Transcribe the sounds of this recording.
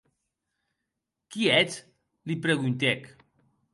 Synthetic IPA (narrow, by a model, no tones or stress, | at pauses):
kiɛt͡s | lipɾeɣunt̪ɛk